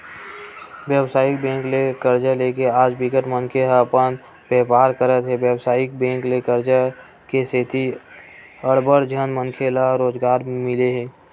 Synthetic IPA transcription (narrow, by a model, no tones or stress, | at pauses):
ʋjəwsaːɪkbẽːŋklekəɾd͡ʒəlekeaːd͡ʒbɪkəʈmənkʰeɦpən | bɛpaːɾkəɾət̪ɦɛbjəwsaːɪk̚bẽːŋklekəɾd͡ʒə | keseːt̪i | əɽbəɽd͡ʒʱənmənkʰelaɾoːd͡ʒɡaːɾmɪleɦɛː